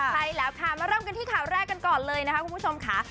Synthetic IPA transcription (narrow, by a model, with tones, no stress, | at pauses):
a˧jlɛː˦˥wkʰa˦˥˩maː˧ɾɤː˥˩˨mka˧t̪iː˥˩kʰaː˨˩wɾɛː˥˩kːa˧nkɔː˨˩nlɤː˧jna˦˥kʰa˦˥ku˧npʰt͡ɕʰo˧mkʰa˦˥